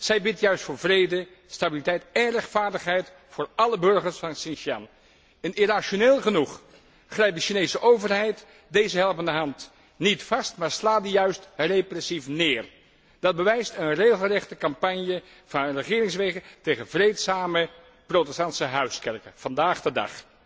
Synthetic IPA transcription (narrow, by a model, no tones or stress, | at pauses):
z̥ɛjbɪtjœɥstfʊːɹvrejdə | stabilitɛjtɛnrɛχtfaːɹdəχɦɛjt | fʊːɹɑləbɵɹχəɹsfɑnsɪnʃɑn | ənɪraʃoneːlˠχənuχ | χrɛjp̚dəʃinejsəʔowvəɹɦɛjt | dejzəɦɛlˠpəndəɦɑnt | nitfɑstmaːɹslaːt̚dijœɥstreprɛsifnɪːr | d̥ɑd̚bəʋɛjstənreːχəl̩ˠrɛχtəkɑmpɑɲjə | v̥ɑnrəχɪːɾɪŋs̬ʋejχəntejχənvrejtsaːmə | prowtɛstɑntsəɦœɥskɛɹkəv̥ɑndaːχdədɑ̰χ